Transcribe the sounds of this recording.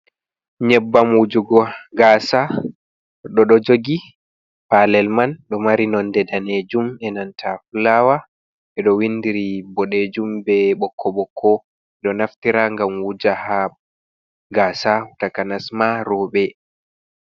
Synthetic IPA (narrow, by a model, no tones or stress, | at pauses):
ɲɛbːamwud͡ʒuɡɔɡasa | ɗɔɗɔd͡ʒoɡi | palɛlmanɗɔmaɾinɔndɛdaned͡ʒumɛnantʰafulawa | ɛɗɔwindiɾibɔɗed͡ʒumbɛɓɔkʰːɔɓɔkʰːɔ | ɛɗɔnaftiɾaŋɡamwud͡ʒaha | ɡaːsahutakanasmaɾɔɓɛ